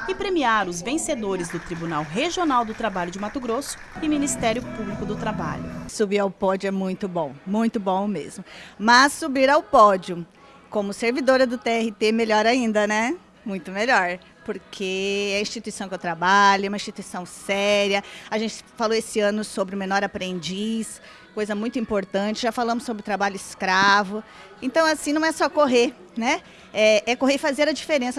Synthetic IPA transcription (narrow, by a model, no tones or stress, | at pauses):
ɪpɾemiaɾʊzvẽsed̪oɾɪzd̪ʊt̪ɾibunawɦeʒionawd̪ʊt̪ɾabaʎʊd͡ʒɪmat̪ʊɡɾosʊ̥ɪminist̪ɛɾjʊpublikʊd̪ʊt̪ɾaba̰ʎʊ̰subiɾawpɔd͡ʒʊɛmũj̃t̪ʊbõw̃mũj̃t̪ʊbõw̃mḛzmʊmɐsːubiɾawpɔd͡ʒʊ | kõmʊseɾvid̪oɾɐd̪ʊt̪eɛhɪt̪emeʎɔɾaĩnd̪ɐnɛ | mũj̃t̪ʊmeʎɔɾ | poɾkʰeɛɐĩst͡ʃit̪uisɐ̃w̃kɪewt̪ɾabaʎʊɛũmɐ̃ĩst͡ʃit̪uisɐ̃w̃sɛɾiɐaʒẽnt͡ʃɪ̥faloesɪɐ̃nʊsobɾɪʊmenɔɾapɾẽnd͡ʒis | kojzɐmũj̃t̪ʊĩpoɾt̪ɐ̃t͡ʃɪʒafalɐ̃mʊsːobɾɪʊt̪ɾabaʎʊɪskɾavʊ | ẽnt̪ɐ̃w̃asĩnɐ̃w̃ɛsɔkoɦe | nɛ | ɛɛkoɦefazeɾɐd͡ʒifeɾẽsɐ